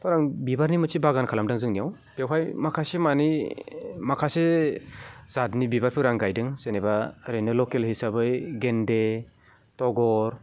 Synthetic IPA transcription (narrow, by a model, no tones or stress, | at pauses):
tʰawɾaŋbibaɾnimɯsibaɡankʰalamdaŋzɯŋnijaw | b̥ewɦʰajmakʰasemani | makʰase | zatnibibaɾpʰɯɾaŋɡajdɯŋsenebaɾejnɯlɔkelhisabɯjɡende | tɔɡɔɾ